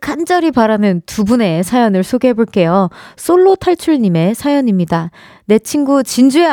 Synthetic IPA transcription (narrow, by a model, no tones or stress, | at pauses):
kʰand͡ʑ͈ʌɾipaɾanɯntubune̞sʰajʌnɯɭsʰoɡeɦe̞boɭk͈e̞jos͈oɭːotʰaɭt͡ɕʰuɭɲime̞sʰajʌɲimɲida | ne̞t͡ɕʰinɡut͡ɕind͡ʑue